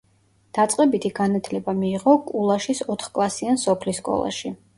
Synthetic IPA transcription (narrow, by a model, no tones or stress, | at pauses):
d̪̥at̪sʼqʼɛbit̪ʰiɡanat̪ʰlɛbamiːʁɔkʼulˠaʃisɔt̪ʰχkʼlˠasiansɔpʰliskʼɔ̰lˠa̰ʃi